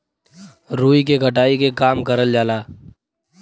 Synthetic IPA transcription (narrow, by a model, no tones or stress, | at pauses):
ɾuːik̬eɡʱəʈaːikekaːmkəɾəld͡ʒaːlaː